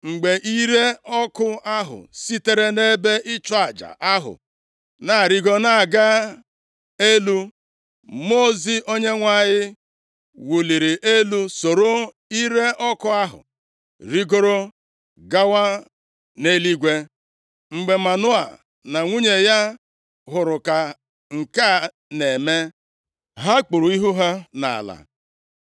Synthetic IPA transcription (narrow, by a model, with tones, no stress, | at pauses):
ŋ͡m̩˨ɡ͡be˨ʔi˦ɾe˦ɔ˦kʊ˦a˦ɦʊ̰˨si˦te˦ɾe˦ne˦be˦ʔɪ˦t͡ʃɔ˦a˨d͡ʒa̰˨ʔa˦ɦʊ̰˨ | na˨ɾi˦ɡo˦na˨a˨ɡa˦ | e˦lu˦ | mo˦˨zi˦ʔo˦ɲe˦ŋʷa˦ɲɪ˦ | wu˨li˨ɾi˨ʔe˦lu˦so˨ɾo˦ | i˦ɾe˦ʔɔ˦kɔ˦a˦ɦʊ̰˨ | ɾi˦ɡo˦ɾo˦ | ɡa˦wa˦ | ne˦li˦ɡʷe˦ | ŋ͡m̩˨ɡ͡be˨ma˨nʊ˦a̰˨ | na˨ŋʷu˦ɲe˨ja˦ | ɦʊ˨ɾʊ˨ka˨ | ŋ̩˨ka˦˨ | ne˨me˦ | ɦa˦k͡pʊ˨ɾu˨i˦ɦu˦ɦa˦na̰˨a̰˨la̰˨